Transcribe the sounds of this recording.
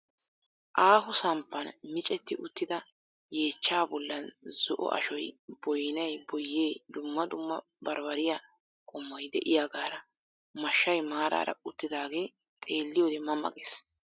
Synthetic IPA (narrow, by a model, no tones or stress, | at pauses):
ʔaːɦʊsɐmpːɐnmɪt͡ʃʼɛt̪ːɪʔʊt̪ːɪd̪ɐ | je̞ːt͡ʃːaːbɔlːɐnz̥ɔʔɔ̰ʔɐ̰ʃɔjbɔjnɐjbɔjːe̞ːd̪ʊmːɐd̪ʊmːɐ | bɐɾbɐɾɪja | kʼɔmːɔjd̪ɛ̰ʔɪjaɡaːɾɐ | mɐʃːɐjmaːɾa̰ːɾɐ̰ʊt̪ːɪd̪aːɡe̞ː | t̪ʼe̞ːlːɪjod̪ɛmɐmːɐ̰kʼes